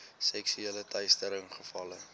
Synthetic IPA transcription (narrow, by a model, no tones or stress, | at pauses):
sɛksyeːlətɛjstəɾəŋχəfɐlə